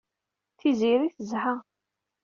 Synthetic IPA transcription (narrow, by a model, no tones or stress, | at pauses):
θiziɾiθəzħa